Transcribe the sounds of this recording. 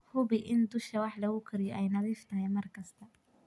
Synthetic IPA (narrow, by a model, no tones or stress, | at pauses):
hʊbɪʔɪnd̪ʊʃɐwɑħlɐɣʊkʰɪɾɪjɔʔɛjnɐðiːft̪ʰɐɦɛjmɐrkʰɐst̪ʰɐ